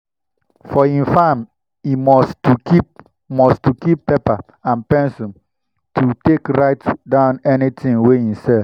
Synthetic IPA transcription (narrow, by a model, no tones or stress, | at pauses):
fɔĩnfam | imɔstukip | mɔstukippːepa | ãnpɛ̃nsɔ̃n | tʰutekɹaɪtdãʊ̃nɛnitʰĩŋweĩmsɛlf